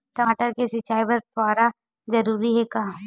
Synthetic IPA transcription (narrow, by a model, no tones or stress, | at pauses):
ʈɐaːʈəɾkesɪt͡ʃaːipɐɾpaːɾa | zɐɾuːɾiɦɛkaã